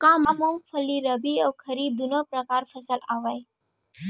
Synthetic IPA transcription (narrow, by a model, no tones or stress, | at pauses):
kãmamoŋkfʰəliɾəbiəwkʰəɾiːb̚d̪unəpɾəkaːɾfʰəsəlaʋaj